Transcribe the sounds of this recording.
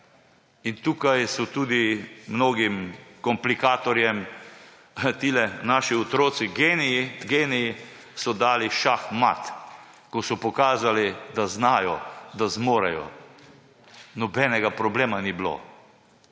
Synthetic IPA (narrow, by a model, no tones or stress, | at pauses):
int̪uːkajsɔt̪uːd̪imnoːɡimkɔmplikaːt̪ɔɾjɛm | t̪iːlɛnaʃiɔt̪ɾoːt̪siɡenɛiɡeːnɛji | sɔd̪aːliʃaxma̰t̪ | kɔsɔpɔkaːzalid̪aznaːjɔd̪azmoːɾajɔ̰ | nɔbɛnɛɡapɾɔbleːmaniblo̰ː